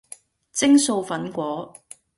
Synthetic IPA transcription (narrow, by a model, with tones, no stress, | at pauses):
t͡sɪ˥ŋso˧wfɐ˨˥nkʷɔː˨˥